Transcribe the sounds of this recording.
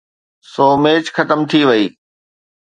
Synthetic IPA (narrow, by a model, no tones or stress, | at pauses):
soːmeːt͡ɕxɐt̪əmt̪ʰiʋɐiː